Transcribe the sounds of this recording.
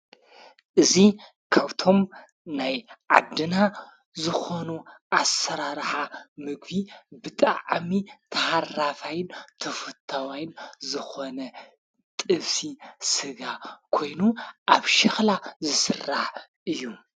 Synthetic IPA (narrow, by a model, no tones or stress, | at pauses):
ʔɨzi | kʰaβt̪ʰo̞m | najʕa̰d̪ːɨna | zɨxo̞nuʔasɐɾaɾħamɨɡbibɨt̪ʼaʕmit̪ʰɐharafajɨnt̪ʰɐfɨt̪ʰːawajnzɨxo̞nɐ | t̪ʼɨβsisɨɡakʰo̞jnuʔaβʃɪxlazɨsɨrːaħ | ʔɨjːu